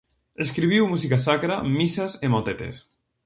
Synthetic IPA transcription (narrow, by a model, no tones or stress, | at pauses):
eskɾiβiwmusikasakɾamisazemot̪et̪ḛs